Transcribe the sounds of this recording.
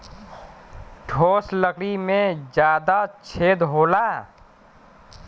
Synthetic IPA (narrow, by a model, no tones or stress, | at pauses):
ʈʰoːsləkɽimẽd͡ʒjaːd̪at͡ʃʰed̪ɦola